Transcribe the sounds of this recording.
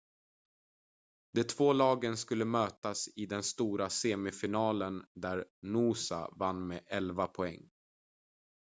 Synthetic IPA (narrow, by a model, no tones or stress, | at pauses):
d̪ɛt̪ʰvoːlɑːɡənskɵlːəmøːt̪asɪd̪ɛnst̪uːɾaseːmɪfɪnɑːlənd̪æɾnuːsa̰vanːmeʔɛlvapʰɔɛŋː